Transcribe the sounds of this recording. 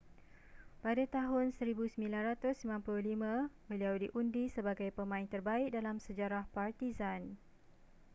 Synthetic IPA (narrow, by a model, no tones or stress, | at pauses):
padat̪aɦʊnsəɾibusəmbĩlanrat̪ʊsimãnplʊlimãbəliawdiʔundisəbaɡajpəmãɪnt̪ərbaɪk̚dalamsəd͡ʒaɾahpart̪izan